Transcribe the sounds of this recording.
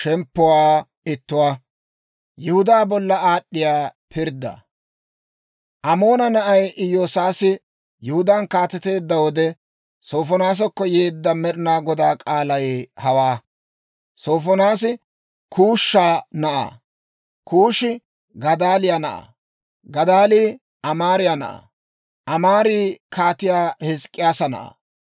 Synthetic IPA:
ʃɛmpːʊwaː | ɪt̪ːʊwaː | jɪhʊd̪aːbɔlːɐaːɗːɪjaːpʰɪɾd̪ːɐ̰ | ʔɐmo̞ːnɐnɐʔɐjʔɪjoːsaːsɪ | jɪhʊd̪ankaːt̪ɛt̪e̞ːd̪ːɐwɔd̪ɛ | soːfɔnaːs̬ɔkːɔjeːd̪ːɐmɛɾɪnaːɡɔd̪aːkʼaːlɐjhɐwaː | so̞ːfɔnaːs̬ɪ | kʰuːʃːaːnɐʔa̰ː | kuːʃɪ | ɡɐd̪aːlɪjanɐʔa̰ | ɡɐd̪aːliː | ʔɐmaːɾɪjanɐ̰ʔa̰ː | ʔɐmaːɾiːkʰaːt̪ɪjaːhɪskʼːɪjaːsɐnɐ̰ʔa̰ː

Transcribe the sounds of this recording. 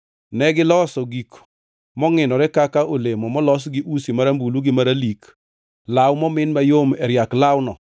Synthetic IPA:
nɛɡɪlɔsɔɡik | mɔŋɪnɔɾɛkakaʔolemɔmɔlɔs̬ɡɪʔusimaɾambuluɡɪmaɾalik | lawmɔmɪnmajomɛɾjaklawnɔ

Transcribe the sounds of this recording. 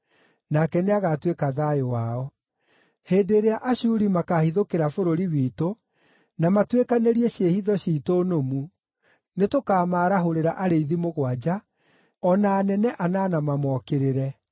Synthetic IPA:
nakɛneaɣatwekaðajowaɔ | heːdeɾeaʔaɕuɾimakaːhiðokeɾafoɾoɾiwiːto | namatwekaneɾiɛɕehiðɔɕitonomu | netokaːmaːɾaɦoɾeɾaʔaɾeiðimoɣwad͡ʑa | ɔnaːnɛnɛʔananamamɔkeɾeɾɛ

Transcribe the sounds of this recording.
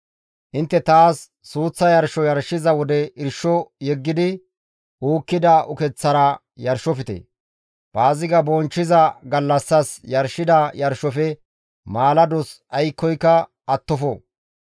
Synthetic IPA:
ʔɪnt̪ːɛt̪aːsː | uːt͡sːɐjɐɾʃɔjɐɾʃːɪzɐwɔd̪ɛɪɾʃɔjɛɡːɪd̪ɪ | ʔuːkːɪd̪ɐʔʊkɛt͡sːɐɾɐ | jɐɾʃɔfɪt̪ḛ | b̥aːzɪɡɐbɔnt͡ʃːɪzɐɡɐlːɐsːɐsjɐɾʃɪd̪ɐjɐɾʃɔfɛ | maːlɐd̪ɔs | ɐjkːɔjkːɐ | ʔɐt̪ːɔfɔ

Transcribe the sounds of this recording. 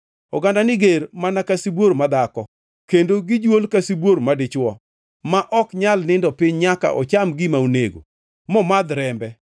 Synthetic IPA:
ɔɡandanɪɡeɾmanakasibwoɾmad̪akɔ | kendoɡɪd͡ʒwolkasibwoɾmadɪt͡ʃwɔ̰ | maʔɔkɲalnɪndɔpɪɲɲaka̰ʔɔ̰t͡ʃamɡɪmaunḛɡo̰ | mɔmad̪ɾɛmbɛ

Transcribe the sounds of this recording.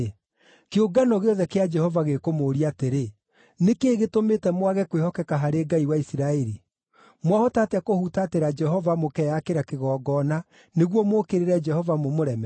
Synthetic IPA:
keoɡanɔɣeɔðɛkead͡ʒɛhɔvaɣekomoːɾiateɾe | nekeːɣetometɛmwaɣɛkwehɔkɛkaɦaɾeːɡaiwaisiɾaeɾi | mwahɔtateakohutaːteɾad͡ʒɛɦɔvamokɛjakeɾakeɣɔːɡɔːna | neɣwɔmokeɾeɾɛd͡ʒɛhɔvamomoɾɛmɛ

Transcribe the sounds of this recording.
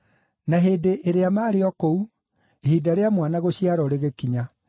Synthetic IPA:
naɦeːdeʔeɾeamaːɾeɔkou | ehiːdaɾeamwanaɣoɕiaɾɔɾeɣekiɲa

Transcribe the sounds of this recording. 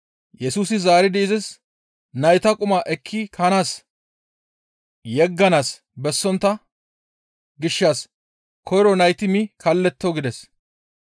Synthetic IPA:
jɛsuːsɪzaːɾɪd̪ɛɪzɪs | nɐjt̪ɐkʼʊmaːʔɛkʰːɪkʰɐnaːs | jɛɡːɐnaːs | bɛsːɔnt̪ːɐ | ɡɪʃːaːs | kʰɔjɾɔnɐjt̪ɪmɪkʰɐlːɛt̪ːoɡɪd̪ɛs

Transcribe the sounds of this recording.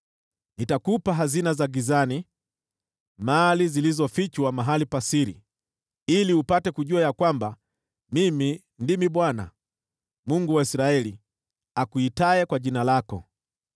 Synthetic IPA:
nitakupaɦazinazaɡizani | malizilizɔfit͡ʃwamaɦalipasiɾḭ | iliupatɛkuʄuajakwamba | mimi | ndimiɓwana̰ | muŋɡuwaisɾaɛli | akuitaɛkwaʄinalakɔ

